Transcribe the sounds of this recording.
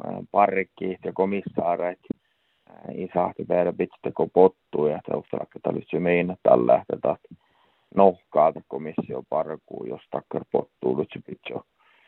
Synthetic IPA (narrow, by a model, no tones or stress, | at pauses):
pɑrkːiːt̪jɑkomisːɑːreit̪ | isɑht̪epeæræpit̪t̪ːekopot̪ːuːjɑht̪æ̰ust̪ɑ̰lɑ̰kːɑt̪ːɑ̰lyt̪sømeinːæt̪t̪ɑ̰lːæ̰ht̪et̪ɑt̪ | nohkɑːt̪ɑkomisːio̰pɑrkṵːjo̰st̪ɑkːɑrpo̰t̪ːuːlyt̪sypit̪ʲjo̰